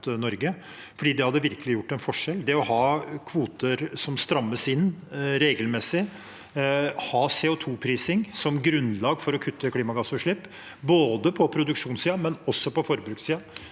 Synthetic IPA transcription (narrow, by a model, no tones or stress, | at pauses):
nɔɾɡə | fɔɖiːd̪ɛhɑd̪ːəʋɪɾkəlɪjʊʈːɛnfɔʂɛld̪ɛɔhɑːkʰʋuːt̪əɾsɔmst̪ɾɑmːəsɪnːɾeːɡəlmɛsɪ | hɑːseːɔt̪ʰuːpʰɾiːsɪŋsɔmɡɾʉnlɑːɡfɔɾɔkʰʉt̪ʰːəkʰliːmɑɡɑsʉʂɭɪpː | boːd̪əpʰɔpʰɾʊd̪ʉkʂuːnsiːɑmɛnɔsːɔpɔfɔɾbɾʉːksiːɑ